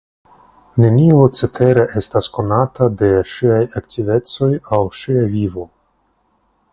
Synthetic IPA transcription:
ne̞niot͡setʰe̞ɾeʔe̞stasko̞natade̞ʃiajaktive̞t͡so̞jawʃiavivo̞

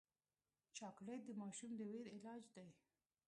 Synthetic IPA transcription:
t͡ʃɑkɽed̪əmɑʃumd̪əweɾɪlɑd͡ʒd̪aj

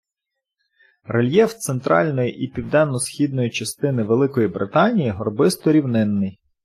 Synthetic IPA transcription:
relʲjɛwt̪sent̪ɾɑ̰lʲnɔjiʔipʲiwd̪ɛnːɔsxʲid̪nɔjit͡ʃɐst̪ɪnɪʋelˠɪkɔjibɾɪt̪ɑnʲijiɦɔrbɪst̪ɔɾʲiwnɪnːɪj

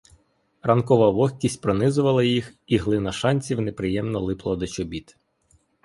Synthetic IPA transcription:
rɐnkɔʋɐʋɔxʲkʲisʲtʲpɾɔnɪzʊʋɐlˠɐjixiɦlˠɪnɐʃɑnʲt͡sʲiwnepɾɪjɛmnɔlˠɪplˠɐd̪ɔt͡ʃɔbʲit̪

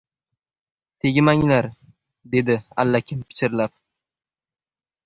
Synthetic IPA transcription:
t̪ʰe̞ɡʲɪmaŋlaɾ | d̪e̞d̪ɪa̰lːakʰʲɪmpʰɪ̥t͡ʃɪɾlap̚

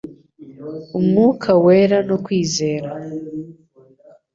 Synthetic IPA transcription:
umŋuːkʰawe̞ːɾanokwiːze̞ːɾa

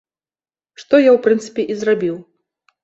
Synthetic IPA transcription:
ʂt̪ɔjawpɾɨnt̪sɨ̥pʲɛʔizrabʲiw

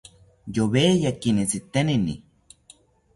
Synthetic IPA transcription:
joβejakinit͡sit̪eninḭ

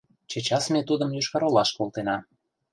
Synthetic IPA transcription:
t͡ɕet͡ɕɑsmet̪ud̪ə̆mjyʃkɑɾolɑʃkolˠt̪enɑ

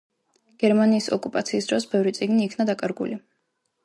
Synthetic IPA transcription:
ɡ̥ɛɾmaniːsɔkʼupʼat̪sʰiːsd̪ɾɔsbɛvɾit̪sʼiɡniːkʰnad̪akʼaɾɡṵli

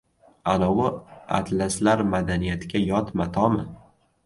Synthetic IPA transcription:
anɒwʊa̰t̪laslaɾmad̪anijat̪ʰɪɡʲajɒt̪mat̪ʰɒmɪ

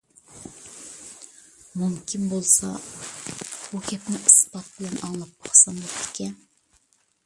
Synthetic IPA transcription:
mumkʲinbolˠsɑ | b̥ukʲʰɛpnɪʔɨspɑt̪̚bɪlɛnʔɑŋlˠɑp̚ːɑχsɑnd̪ɛpd̪ɪ̥kʲʰɛn

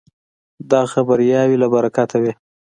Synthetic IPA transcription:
d̪ɑxabaɾjɑwilabaɾakat̪ʰawi

